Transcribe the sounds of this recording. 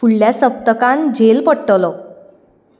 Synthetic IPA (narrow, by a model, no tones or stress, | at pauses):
uɭːjasəp̚t̪əkãnd͡ʑʱelpəɽʈəlɔ